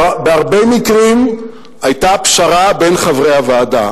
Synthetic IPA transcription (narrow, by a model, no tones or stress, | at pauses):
beaʁbejmikʁim | ajtapʃaʁabe̞nχavʁejhavaːda̰